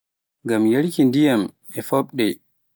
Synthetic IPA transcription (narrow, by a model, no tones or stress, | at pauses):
ŋɡamjelkindijam | ɛfɔɓɗɛ